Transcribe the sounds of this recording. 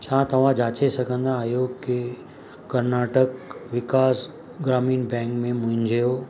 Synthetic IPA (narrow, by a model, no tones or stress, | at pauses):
t͡ɕʰãːt̪ɐʋ̤ãd͡ʑaːt͡ɕesɐɡʱə̃nd̪aːɦjoki | kɐɾnaːʈəkʋɪkaːs | ɡɾaːmiːnbɛ̃ːŋkmẽmʊ̃ɦɪ̃ɲd͡ʑʱjo